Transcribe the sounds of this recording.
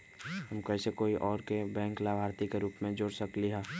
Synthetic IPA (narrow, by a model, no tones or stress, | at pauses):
ɦəmkɛːsekoːiʔɔːɾkebɛ̃ːŋklaːbʱaːɾt̪ikeɾuːpmẽd͡ʒoːɽsəkliɦɛ̃ː